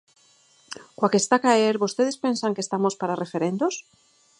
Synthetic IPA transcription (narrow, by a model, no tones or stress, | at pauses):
kwakest̪akaeɾβost̪eðespensaŋkest̪amospaɾarefeɾend̪os